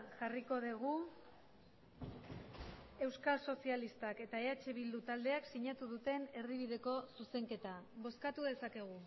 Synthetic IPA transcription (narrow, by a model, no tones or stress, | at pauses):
ʝariko̞ðeɣ̞u | e̞wskalso̞sialist̪ake̞t̪ae̞at͡ʃe̞βild̪ut̪ald̪e̞aksiɲat̪uð̞ut̪e̞ne̞ɾðiβ̞iðe̞ko̞suse̞ŋke̞t̪aβo̞skat̪uðe̞sake̞ɣ̞u